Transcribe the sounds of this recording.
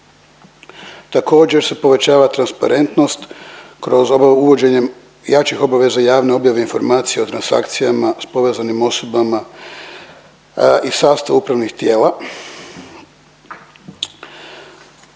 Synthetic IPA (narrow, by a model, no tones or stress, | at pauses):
t̪ako̞ːd͡ʑe̞ɾse̞po̞ʋe̞t͡ɕaːʋat̪ɾanspa̰ɾe̞nt̪no̞st̪kɾo̞zouʋo̞d͡ʑe̞ɲe | jat͡ʃixo̞baʋe̞zaijaːʋneo̞bjaʋe̞info̞ɾmaːt̪sije̞o̞t̪ɾansa̰kt̪sijamaspo̞ʋe̞ːzanimo̞so̞bama | isaːst̪aʋupɾaʋnixt̪je̞ːla